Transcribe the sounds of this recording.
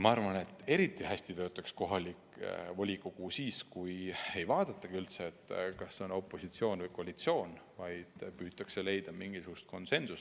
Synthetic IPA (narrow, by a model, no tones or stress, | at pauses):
mɑɑrvɑne̞t̪ːˑe̞ɾit̪ːˑihæsʲt̪it̪ø̞ːt̪ːˑɑksko̞ɦɑlikvolʲikokusiːskuje̞jvɑːd̪ɑt̪ːˑɑɡ̥iylt̪se̞ːt̪ːkɑsːeo̞no̞pːˑo̞sit̪sio̞ːnvɤjko̞ɑlit̪sio̞ːnvɑjd̪̥pyːt̪ːˑɑkse̞le̞jd̪̥ɑmiŋɡisuɡ̥ust̪̚ko̞nse̞nsust̪